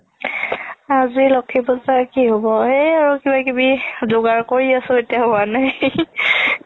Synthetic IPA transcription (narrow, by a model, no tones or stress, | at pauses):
azilɔkʰːipɔzakiɦobɔejaɹukibakibizoɡaɹkoɹiasʊetijaɦʊanaj